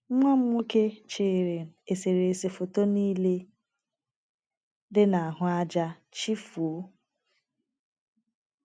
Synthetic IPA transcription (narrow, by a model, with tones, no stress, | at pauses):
ŋʷa˦m̩ʷ˦u˦ke˦t͡ʃeː˨ɾe˨n̩˨e˨se˨ɾe˨se˨fo˨to˦niː˦le˦ | dɪ˦na˨a˨ɦʊ˦a˦d͡ʒa˦ | t͡ʃi˦fu˨o˦